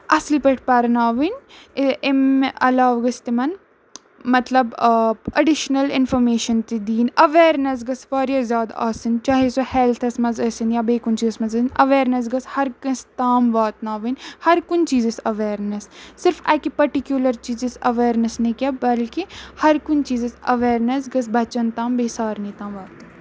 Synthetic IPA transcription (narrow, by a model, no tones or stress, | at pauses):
ɐslpəʈʰpɐɾnaːʋin | emʔɐ̰laːʋɡɐst̪imɐn | mɐt̪lɐbɐɖɪʃnɐlɪ̰nfʰɐɾmeːʃɐnt̪id̪iːnɐʋeːɾnɐs̬ɡɐsfaːɾjɐzjaːd̪a̰ːsint͡ʃaːɦesoheːlt̪ʰɐsmɐzɐːsinjabeːkʊnt͡ʃiːzɐsmɐzɐnɐʋeːɾnɐs̬ɡɐshɐɾkɐst̪aːmʋaːt̪naːʋinhɐɾkʊnt͡ʃiːzɪsɐʋeːɾnɐsːɪɾfaːkipɐɾʈikjuːlɐɾt͡ʃiːzɪsɐʋeːɾnɐsnẽkʲabɐlkihɐɾkʊnt͡ʃiːzɪsɐ̰ʋeːɾnɐsɡɐsbɐt͡ʃɐnt̪ãːmbeːsaːɾnĩːt̪ãːmʋaːt̪ːɐ